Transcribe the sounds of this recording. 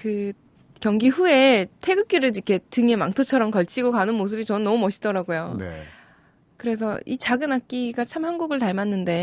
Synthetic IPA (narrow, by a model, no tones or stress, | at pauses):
kɯ | kjʌŋɡiɸue̞tʰe̞ɡɯk͈iɾɯɭikʰe̞tɯŋemaŋtʰot͡ɕʰʌɾʌmkʌɭt͡ɕʰiɡokanɯnmos̬ʰɯbit͡ɕʌnɯnːʌmumʌɕʰi̥t͈ʌɾaɡojoḛ | kɯɾe̞s̬ʰʌit͡ɕaɡɯnak̚k͈iɡat͡ɕʰamhanɡuɡɯɭtaɭmanːɯnde̞